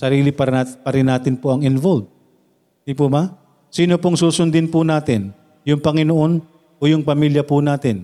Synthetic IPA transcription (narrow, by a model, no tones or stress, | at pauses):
sɐɾiːlɪpɐpɐɾɪnːaːt̪ɪnpoʔɐŋɪnvolb̚ | d̪ipuma | siːnopoŋsuːsʊnd̪ɪnpʊnaːt̪ɪn | jʊŋpɐŋɪnoʔo̞n | ʔojʊŋpɐmiljɐpʊnaːt̪ɪn